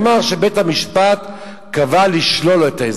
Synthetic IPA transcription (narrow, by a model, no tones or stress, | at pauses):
maʁʃebethamiʃpat̪ | kavaliʃlo̞letae